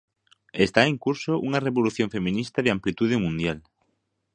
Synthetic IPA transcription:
est̪aeŋkuɾsoʔuŋareβoluθjõɱfemĩnist̪aðɪamplit̪uð̞ɪmũnd̪jal

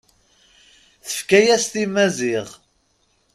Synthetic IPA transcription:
θə̥fkæjæst̪imæziʁ

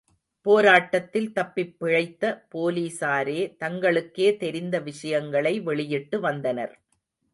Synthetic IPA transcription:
poːɾaːʈːɐt̪ːɪlt̪ɐpːɪpːɪɻɐɪt̪ːɐpoːliːsaːɾeːt̪ɐŋɡɐɭɯkːeːt̪ɛɾɪnd̪ɐʋɪʂɐjɐŋɡɐɭɐɪʋɛɭɪjɪʈːɯʋɐnd̪ɐnɐ̰ɾ

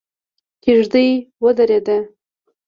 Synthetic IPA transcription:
kiʒd̪əjwəd̪aɾed̪a

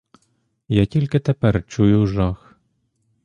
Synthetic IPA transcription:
jɑtʲilʲket̪ɛpɛrt͡ʃujʊʒɑx

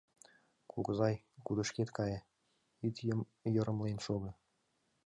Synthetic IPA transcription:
kʰuɣəzɑj | kud̪əʃket̪kɑje | it̪ə | jə̆ɾə̆mlenʃoɣɤ̆

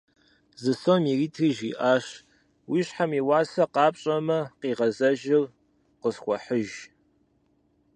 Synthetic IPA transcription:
zɨsomiriːtʰriʒiʔaːʃ | wiːɕħamiwaːsɐqɑːpʼɕʼɐmɐqiːʁɐzɐʒɪr | qəsχʷɔħəʒ

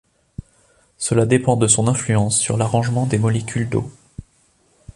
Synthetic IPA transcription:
səlad̪epɑ̃d̪əsɔ̃nɛ̃flyɑ̃sːy̰ʁlaʁɑ̃ʒmɑ̃d̪emɔlekʲʰyld̪o̰

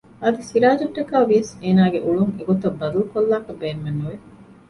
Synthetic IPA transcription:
ɐd̪isiɾaːd͡ʒɐʈːɐkaːʋijɐseːnaːɡeʔuɭuŋeɡot̪ɐbːɐd̪ɐlukolːaːkɐbeːnmenːuʋe

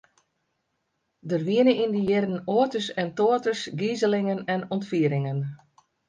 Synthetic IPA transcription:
dərʋiənəindəjɪrən̩oətəsɛntoːətəsɡizəlɪŋənɛnɔntfiəɾɪŋən

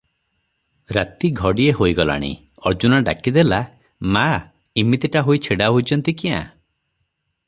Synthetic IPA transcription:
ɾat̪iɡʱɔɽieɦojɡɔla̰ɽ̃ḭ | ɔɾd͡ʒunɔɖa̰kid̪ela | ma | imit̪iʈaɦoit͡ʃʰeɽaɦojt͡ʃʰɔnt̪ikiã̰

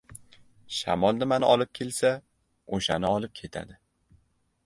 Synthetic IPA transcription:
ʃa̰mɒlˠnɪmanɪʔɒlˠɪp̚kʲʰe̞lsa | oʃanɪɒlˠɪp̚kʲʰe̞t̪ʰa̰d̪ɪ

